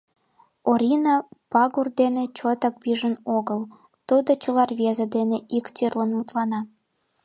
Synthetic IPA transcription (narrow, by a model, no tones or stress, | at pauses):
oɾʲinɑpɑɣurd̪enet͡ɕot̪ɑk̚biʒənoɣəl | t̪ud̪ot͡ɕəlɑrβezed̪eneikt̪ørlənmut̪lɑnɑ